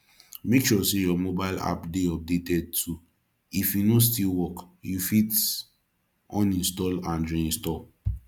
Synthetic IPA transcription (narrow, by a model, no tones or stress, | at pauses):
met͡ʃɔsejɔmobaɪla̰pdeɔp̚detɛd̚tʰu | ifjunos̬tilwɔkjufit | ɔ̃nĩnstɔlãndɹĩĩstɔ